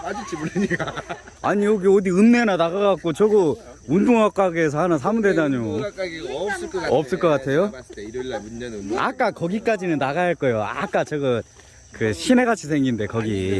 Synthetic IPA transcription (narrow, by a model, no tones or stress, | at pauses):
aɲioɡiodiɯnːe̞nanaɣaɣak̚k͈ot͡ɕʌɡɯ | undoŋwak͈aɡeːs̬ʰʌhanɯnsʰamunde̞d͡ʑaɲo | ʌp̚s͈ɯɭk͈ʌk͈atʰe̞jo | a̰k͈akʌɡik͈ad͡ʑinɯnːaɣajʌɭk͈ʌjoa̰k͈at͡ɕʌɡɯt | kɯɕʰine̞ɡat͡ɕʰisʰe̞ŋɡinde̞kʌɡḭ